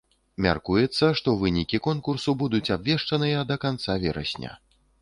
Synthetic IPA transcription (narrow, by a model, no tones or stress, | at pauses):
mʲa̰rkujɛt̪sːɐʂt̪ɔvɨnʲikʲikɔnkursubud̪ut͡sʲabvʲɛʂt͡ʂɐnɨjɐd̪ɐkant̪savʲɛɾɐ̰sʲnʲɐ̰